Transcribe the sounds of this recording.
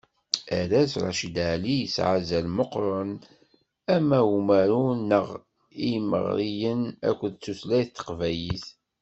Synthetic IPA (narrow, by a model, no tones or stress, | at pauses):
æɾæsɾˤɑ̰ʃid̪aʕlijəsʕazælmoqɾˤon | æmæmæɾunːəʁ | ijmə̰ʁɾijənæ̰kʷːðt͡sːuslæjθt̪ːə̥qvæjiθ